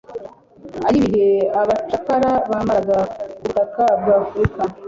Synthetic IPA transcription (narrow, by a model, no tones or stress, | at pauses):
aɾiβiɦeaβat͡ʃakaɾaβamaɾaɡabutakabɡaːfɾika